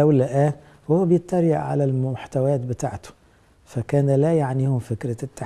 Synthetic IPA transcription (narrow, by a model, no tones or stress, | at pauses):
æwlæʔæː | whʊwːæbɪjɪt̪ːɑɾˤjaʕʕa̰lælmʊħt̪æwæːt̪bɪt̪a̰ːʕt̪ʊ̥ | fækæːnælæjaʕniːhʊmfɪkɾat̪ːa